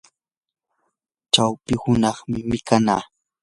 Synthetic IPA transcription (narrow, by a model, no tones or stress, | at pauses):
t͡ʃawpɪhʊnɑχmɪmɪkana̰ː